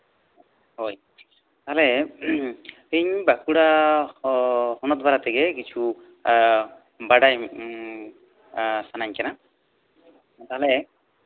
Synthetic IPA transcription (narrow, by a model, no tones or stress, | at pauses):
ɦoj | t̪aɦalɛ | eɲbakuɽa | hɔnɔt̪̚baɾat̪ʰiɡɛkit͡ʃʰu | baɽaj | sanaɲkɛna | t̪aɦale